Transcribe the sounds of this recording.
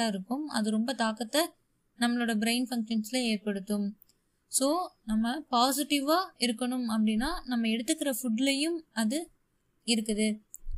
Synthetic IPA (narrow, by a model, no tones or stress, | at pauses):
aːɪɾɯkːɯmɐ̰ðɯɾɔmbɐt̪aːkɐt̪ːɐ | nɐmːɐɭoːɽɐbɪɾɐɪnfɐŋkʂɐnslɐeːɾpɐɽɯt̪ːɯm | soːnɐmːɐpaːs̬ɪʈːɪʋaːɪɾɯkːɐɳɯmɐp̬ːɐɽɪnːaːnɐmːɐɛɽɯt̪ːɯkːɪɾɐfʊɖlɐjɯmɐðɯ | ɪɾɯkːɐðɯ